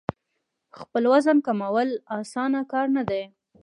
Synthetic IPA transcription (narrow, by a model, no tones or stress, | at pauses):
xpəlwazankamawəlɑsɑnakɑɾnad̪a